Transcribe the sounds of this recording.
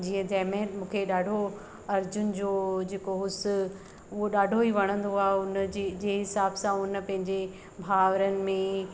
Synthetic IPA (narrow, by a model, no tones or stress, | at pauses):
d͡ʑiːə̃t̪ɛːmẽɦmũːkʰeɗaːɖʱo | ɐɾd͡ʑʊnɪ̆d͡ʑoːd͡ʑeːkoɦʊs̆ | ʊɦoɗaːɖʱoiʋɐɽ̃ə̃nd̪oaːʊnd͡ʑiːd͡ʑeːɦɪsaːbsãʊnə̆pɐ̃ɦɪ̃ɲd͡ʑe | bʱaːʋɾənɪ̆mẽ